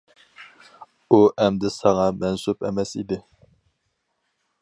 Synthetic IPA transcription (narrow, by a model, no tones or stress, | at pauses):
uʔɛmd̪ɪsɑŋɑmɛnsupʰɛ̰mɛsḭd̪ɪ